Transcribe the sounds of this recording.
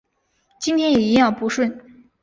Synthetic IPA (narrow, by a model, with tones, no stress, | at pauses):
t͡ɕi˥nt̪ʰjɛ˥njɛ˨˩i˧˥jɑ˥˩ʊpu˧˥ʂwə˥˩n